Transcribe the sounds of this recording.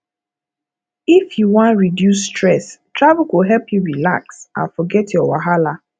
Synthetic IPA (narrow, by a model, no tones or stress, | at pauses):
ifjuwɔ̃ntɹidjus̬ːtɹɛstɹavʊkuɦɛlpjuɹila̰ksã̰nfɔɡɛtjɔwaɦala